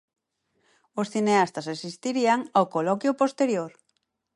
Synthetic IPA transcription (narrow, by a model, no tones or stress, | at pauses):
osθineast̪asesist̪iɾiaŋawkolɔkjʊpost̪eɾjoɾ